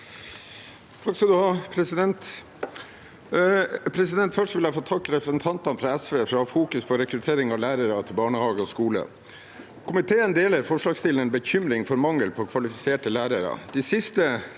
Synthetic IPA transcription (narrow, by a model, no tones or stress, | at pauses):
t̪ʰɑkskɑd̪ʉhɑːpʰɾɛsɪd̪ɛnt̪ | pʰɾɛsɪd̪ɛnt̪fœʂʈʋɪljæɪfoːt̪ʰɑkːɾɛpɾəsənt̪ʰɑnt̪ɑnfɾɑɛsʋeːfɾɑfuːkʉspʰɔɾɛkɾʉt̪ʰeːɾɪŋɑʋlæːɾəɾɑt̪ʰɪlbɑːɳəhɑːɡəɔskuːlə̰ | kʰʊmɪt̪ʰeːənd̪eːləɾfɔʂɭɑːɡst̪ɪlənbəçʏmɾɪŋfɔɾmɑŋəlpʰɔkʰʋɑlɪfɪseːʈəlæːɾəɾɑ̰d̪̥isɪst̪ə